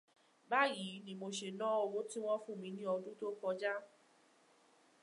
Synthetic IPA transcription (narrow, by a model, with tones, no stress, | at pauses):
ba˦ji˨˦nĩ˧mo˧ʃe˧nɔ̃˦o˧wo˦ti˦w̃ɔ̃˦fũ˦˨mĩ˧˦nĩ˦ɔ˧dũ˦to˦kɔ˧d͡ʒa˦